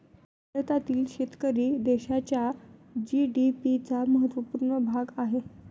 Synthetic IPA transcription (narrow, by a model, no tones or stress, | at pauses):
ɽət̪at̪iːlɕet̪kəɾiːd̪eɕat͡ɕjad͡ʑiɖipit͡saməɦət̪ʋəpuːɾɳəbʱaɡaɦe